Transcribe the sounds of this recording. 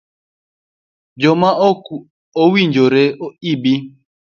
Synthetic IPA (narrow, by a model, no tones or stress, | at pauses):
d͡ʒoma | owiɲd͡ʒoɾeoibi